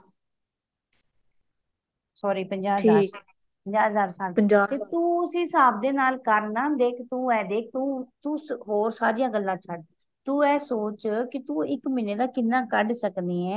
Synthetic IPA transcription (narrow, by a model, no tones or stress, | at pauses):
sɔːɾiːpəɲd͡ʒaːa | pəɲd͡ʒaːzaːɾsaːlpəɲd͡ʒaːt̪eːt̪ũːəsĩːsaːb̚d̪eːnaːlkəɾnãːd̪eːkʰt̪ũːɛːd̪eːkʰt̪ũːt̪uːɦoːɾsaːɾijãːɡəlːãːt͡ʃʰəɖ | t̪ũːɛːsoːt͡ʃkɪt̪ũːɪkmiːneːd̪aːkɪnːãːkəɖsəkd̪iːɛ̃ː